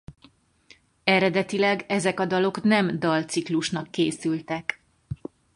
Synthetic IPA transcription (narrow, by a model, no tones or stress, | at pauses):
ɛɾɛd̪ɛt̪ilɛɡɛzɛkɒd̪ɒlo̞knɛmd̪ɒlt̪sikluʃnɒkːeːsylt̪ɛk